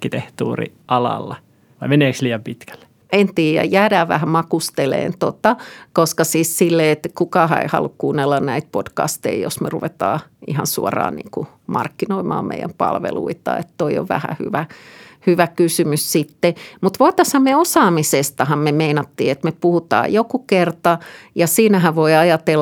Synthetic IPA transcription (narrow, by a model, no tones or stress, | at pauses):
kːit̪eht̪uːrḭʔɑlɑ̰lːɑ | ʋɑimeneːksliːjɑmpit̪kæ̥lːe̥ | ent̪iːjæ̰jæːɾæːʋʋæ̰hæmɑkust̪elḛːnt̪ot̪ɑkoskɑsiːssilːeet̪kukɑhɑ̰ḛhɑ̰lːukkuːnːelːɑnnæit̪̚pod̥kɑ̰st̪ḛijo̰smeruʋet̪ɑːḭhɑ̰nsuɔrɑ̰ːnḭːku | mɑ̰rkːinoimɑ̰ːmmḛijæ̰mpɑ̰lʋḛlṵit̪ɑ̰ḛt̪ːoijo̰ʋæ̰hæ̰hy̰ʋæhyʋækysymyssit̪ːemut̪ʋoit̪ɑshɑmmeosɑːmisest̪ɑhɑmmemeinɑt̪ːiːet̪mepuhut̪ɑ̰ːjokukert̪ɑjɑsiːnæɦæʋʋoiɑjɑt̪el